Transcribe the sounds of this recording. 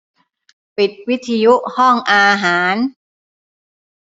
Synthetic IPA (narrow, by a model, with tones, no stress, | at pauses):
pi˨˩t̪̚wi˦˥t̪ʰi˧ju˦˥ʔhɔ˥˩ŋʔaː˧ɦaː˩˦n